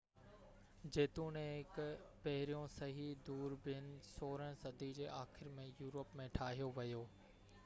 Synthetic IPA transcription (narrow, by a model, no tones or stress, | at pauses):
d͡ʑeːt̪ũːnẽɦɪkpɐɦɪɾijõsɐɦid̪uːɾbɪnɪ̆soːɾəɽ̃sɐd̪ʱid͡ʑeːʔaːxɪɾmẽjuːɾəpmẽʈʰaːɦijoʋɐjoː